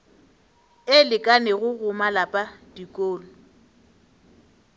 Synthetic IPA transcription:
ɪlɪkʼanɛɣʊɣʊmalapʼadikʼoːlʊ

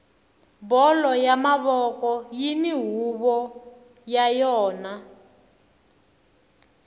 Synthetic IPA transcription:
bɔlɔjamaβɔkɔjiniɦuβɔ | jajɔːna

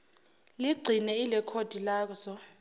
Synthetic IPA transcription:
liɡ͡ǀʱinɛilɛkʰod̥ʱilaːk̬ɔsɔ

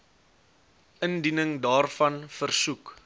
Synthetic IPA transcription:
ʔəndinəŋdɑːrfɐnfərsuk

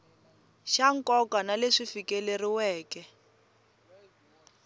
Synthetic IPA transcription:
ʃaŋ̩kɔkanaleʂifikɛleriwɛːkɛ

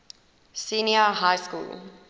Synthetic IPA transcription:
siːniəɦaɪskṵːl

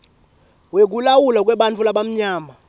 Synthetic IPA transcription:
wek̬ʼulawulak̬ʼwɛɓant͡fʰulaɓam̩ɲaːma

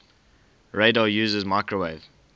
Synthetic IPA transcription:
ɹeɪdɔjʉːzəzmaɪkɹəweɪv

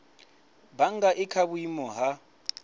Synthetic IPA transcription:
baŋɡaʔɪkʰaβuimɔɦa

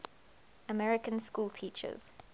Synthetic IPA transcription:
əmɛɹɪkə̃nskuːlˠtʰiːˑt͡ʃə̰z̥

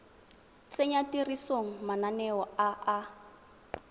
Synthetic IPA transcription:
t͡sʼeɲatirisoŋ̩mananɛɔaa

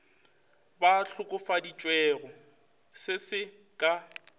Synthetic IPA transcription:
baɬʊkʼʊfadit͡ʃʼwɛːɣɔ | sɪsɪ | kʼa

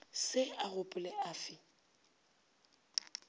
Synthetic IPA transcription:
sɪaɣʊpʼʊlɪaːfɪ

